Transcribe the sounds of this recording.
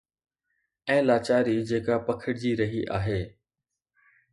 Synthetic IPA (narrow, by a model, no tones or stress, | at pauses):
ɛ̃ːlaːt͡ɕaːɾid͡ʑeːkapɐkʰəɽd͡ʑiːɾɐɦiʔa̰ːɦeː